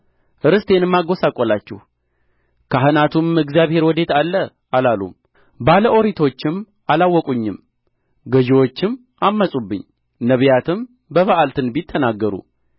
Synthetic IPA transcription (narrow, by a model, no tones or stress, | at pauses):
ʔɨɾɨst̪ʰe̞nɨmːaɡo̞sakʼolat͡ʃːɛ̰h | kʰaɦɨnat̪ʰumɨɡzijaβhe̞ɾwɔd̪e̞t̪alːə | ʔalalṵm | baləʔo̞ɾit̪ʰo̞t͡ʃːɪm | ʔalawːɔkʼuɲːɪm | ɡəʒiwo̞t͡ʃːɪm | ʔamːəsʼubːɨ̰ɲː | nəβjat̪ʰɨm | bəβaʔalt̪ʰɨnbit̪ʰːənaɡːəɾṵ